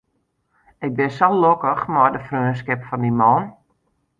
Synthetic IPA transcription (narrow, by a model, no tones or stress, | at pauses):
ɪk̚bɪsɔlokəxmɔrdəfrøːns̬kɪpfɔndimɔn